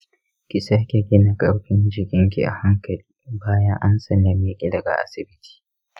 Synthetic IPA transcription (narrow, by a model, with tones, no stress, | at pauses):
kʲɪ˦sa˦kʲe˨kʲeː˦na˨kʼɐ˦ɽɸɪ˦nd͡ʒɪ˨kʲɪ˦ŋk̬ʲḭ˨ʔa̰˨ha˦ŋkɐ˨liː˦baː˦jɐ˦ŋʔa˦nsɐ˨nda˨mi˦kʲʼɪ˦dɐ˨ɡa̰˨ʔa̰˦sɪ˨bɪ˦tʰi̥ː˨